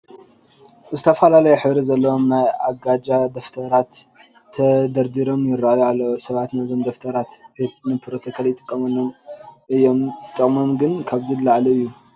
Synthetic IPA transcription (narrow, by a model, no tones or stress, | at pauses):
zɨt̪ʰɐfɐlalɐjuħɨβɾizɐlːɐwo̞mnajaɡad͡ʒad̪ɐft̪ʰɐɾat̪ʰː | ɐd̪ɐɾd̪iɾo̞mjɪɾːajalːɐwsɐβat̪naɨzo̞md̪ɐft̪ʰɐɾat̪nɨpʰɾo̞t̪ʰokʰaljɪt̪ʼɨkʼːɐmɐlːomʔɨjːo̞mt̪ʼɨkʼmomɡɨnkʰaβzilaʕlɐɨjːu